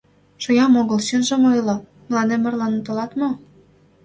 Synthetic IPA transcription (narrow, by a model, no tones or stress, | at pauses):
ʃŏjɑmoɣəlɕynʒə̆mojlɤ̆ | məlɑnemə̆rlɑnət̪olɑt̪mo